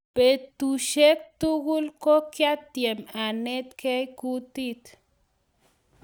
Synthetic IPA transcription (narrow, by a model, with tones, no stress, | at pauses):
pe˨ɾt̪u˨ʃe˦k̚t̪u˦ɡu˦lko˦kja˦t̪ːje˨ma˨ne˦t̪ke˦jku˦t̪i˦t̪